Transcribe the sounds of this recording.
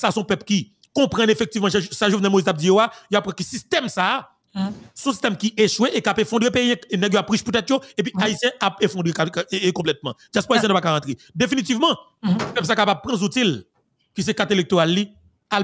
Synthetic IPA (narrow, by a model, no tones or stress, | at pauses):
sasɔ̃pœpki | kɔ̃pʁɐ̃nefɛk̚t̪ivmɑ̃sɛʒovnɛlmoizt̪ap̚d͡zijoajoapːʁãkəsist̪ɛmsa | sɔ̃si̥st̪ɛmkiʔeʃweʔekapefɔ̃d̪ʁepejɛ̃nɛɡjoapːʁiʃput̪ɛt̪joep̬iaisjɛ̃ʔapefɔ̃d̪ʁekaekɔ̃plɛt̪̚mɑ̰̃ʒaspoaisj̃ɛ̃nopakaʁɐ̃t̪ʁe | d̪efinitivmɑ̃ | pɛps̬akapab̚pʁɐ̃zutil | kis̬ekat̪elek̚t̪oʁalːi | a